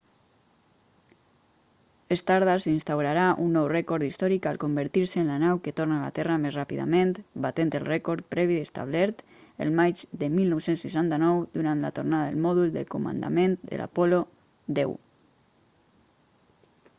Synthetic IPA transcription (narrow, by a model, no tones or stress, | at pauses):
est̪aɾð̞asinst̪awɾaɾaʔunːɔwrɛkɔɾd̪ist̪ɔɾikalˠkombəɾt̪iɾsəːnlanawkət̪oɾnala̰t̪ɛramezrapiða̰ment̪bat̪ent̪əlˠrɛkɔɾt̪̚pɾɛβiðəst̪a̰βlɛɾt̪ | ə̰lˠmad͡ʒd̪əmilˠnɔwsensuʃ̬ant̪anɔwd̪uɾant̪la̰t̪ornaðaðelˠmɔðulˠd̪ə̰lkomə̰nd̪a̰ment̪d̪ə̰lʔa̰pɔlo | d̪ɛw